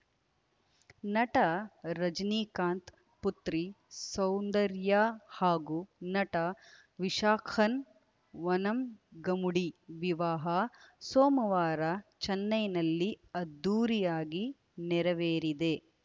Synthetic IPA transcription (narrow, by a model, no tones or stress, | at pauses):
nɐʈɐɾɐd͡ʒniːkaːnt̪ | put̪ɾi | sɐwnd̪ɐɾjaːhaːɡunɐʈɐ | ʋiʃaːkʰɐn | ʋɐnɐmɡɐmuɽiʋiʋaːɦɐsoːmɐʋaːɾɐt͡ʃɐnːɐjnɐlːiɐd̪ːuːɾijaːɡi | nɛɾɐʋeːɾid̪e